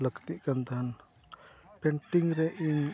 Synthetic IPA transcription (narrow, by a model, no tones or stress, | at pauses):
ləɡt̪iʔkənt̪an | pɛɳʈiŋɾɛʔin